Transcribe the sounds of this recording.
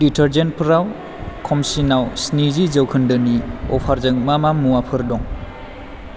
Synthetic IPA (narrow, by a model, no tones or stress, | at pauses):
ditʰeɾd͡ʒen̚pʰɾaw | kʰɔmsinawsnizizəwkʰɯndɯniɔ̰pʰaɾzɯŋmamamuwapʰɯɾdɔŋ